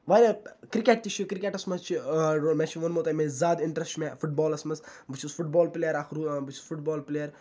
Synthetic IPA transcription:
ʋaːjlɐkɾikʲeʈ̚t̪it͡ʃʰikɾikʲeːʈɐsmɐst͡ʃʰiɾomɛt͡ʃʰiʋɐnmoːt̪ɐmezaːd̪ɪɳʈɾɐsʈmɛ̃fuʈ̚bɔːlɐsmɐsbɨt͡ʃʰizfuʈ̚bɔːlpleːjəɾaːxɾubɨt͡ʃʰi̥zfuʈbɔːlpleːjəɾ

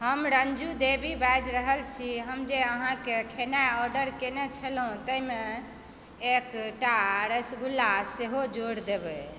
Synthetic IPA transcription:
həmɾənd͡ʒud̪ebibad͡ʒɾəɦəlt͡ʃʰiɦəmd͡ʒeəɦãkekʰenajɔɾɖəɾkenet͡ʃʰəlɦũt̪əime | ekʈaɾəsɡulːaseɦod͡ʒoɽd̪ebɛ

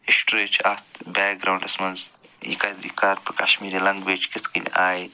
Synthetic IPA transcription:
isʈɾeːt͡ʃʰat̪baːk̚ɡɾaːwɳɖɐsmɐnzjḭkad̪ikaːɾpɐka̰ʃmiːɾilɐŋɡʋeːt͡ʃkit̪ʰkin̰ʲʔaːj

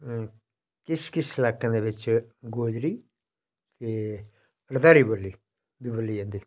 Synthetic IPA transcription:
kɪskɪslakːə̃nd̪eʋɪt͡ʃɡoːd͡ʒɾi | t̪eː | ɾd̪aːɾibolːi | bibəlːiend̪i

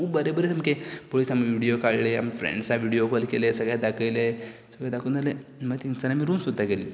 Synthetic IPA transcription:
ubəɾebəɾet̪ʰəmkepolisamʋiɽiokaɭlea̰mfɾḛɳɖsaʋiɽijokɔlkelesəɡɭjad̪akʰəjlesəɡjad̪akʰuːnd͡zalemət̪iŋsənamiɾuːnsud̪ʱːakeliː

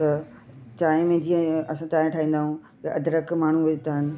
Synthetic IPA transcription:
t̪ɐ | t͡ɕaːɪ̃mẽd͡ʑiːə̃ɐsãt͡ɕaːɪ̃ʈʰaːɦĩːn̆d̪aːɦũ | t̪ɐʔɐd̪ʱɾəkmaːɳ̤ũʋɐt̪aːɦɪnɪ̆

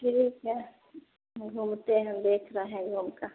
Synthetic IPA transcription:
kɪɾika | ɡʱuːmt̪eɦɐ̃md̪eːkʰɾɐɦɛ̃ɡʱuːmkaː

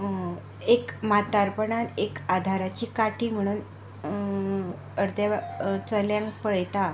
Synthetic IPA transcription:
ekmat̪aɾpəɳanekad̪ʱaɾat͡ɕiːkaʈʰiːm̤əɽ̃uːn | əɾd̪jat͡səljãŋkpəɭjt̪a

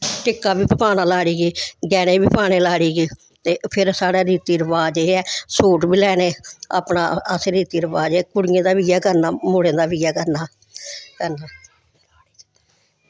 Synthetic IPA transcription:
ʈɪkːaːbiːpəpaːnaːlaːɽiːɡeːɡɛːñeːbiːpaːɽeːlaːɽiːɡeː | t̪eːpʰɪɾsaːɽaːɾiːt̪iːɾəʋaːd͡ʒeɛːsuːʈbiːlɛːneːa̰ːpna̰ːəsɾiːt̪iːɾəʋaːd͡ʒɛːkʊɽɪjẽːd̪aːʋiːaːkəɾnaːmʊɽẽːd̪aːʋiːaːkəɾnaː | kəɾnaː

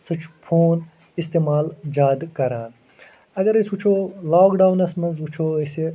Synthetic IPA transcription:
sut͡ʃʰpʰoːn | ist̪eːmaːld͡ʒaːd̪kɐɾaːn | ɐɡɐɾɐsut͡ʃʰolaːkɖaːwnɐsmɐnzut͡ʃʰoːɐse

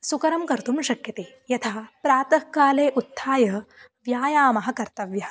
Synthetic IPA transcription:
sukɐɾɐmkɐɾt̪umʃɐkjɐt̪eː | jɐt̪ʰaːpɾaːt̪ɐkaːleːʔut̪ʰːaːjɐ | ʋjaːjaːmɐɦɐ̆kɐɾt̪ɐʋjɐɐ

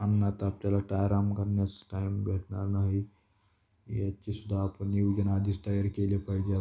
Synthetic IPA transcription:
ɐnnat̪aːp̚t͡ʃɐlək̚ʈaːjɾaːmkɐɾnesʈaːɪmbɛːʈʰnanaɦi | iɐtːʃʰisud̪ʱapniud͡ʒɐnaːd̪isʈaːjəɾkeliepʰaid͡ʒaː

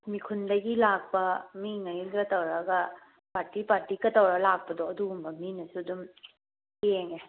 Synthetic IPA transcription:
mikʰundɐɡilak̚pɐmiŋɐɡiɡɐtɐwɾɐɡɐ | paɾtipaɾtikɐtɐwɾalak̚pɐdɔɐduumbɐminɐsudum | keŋe

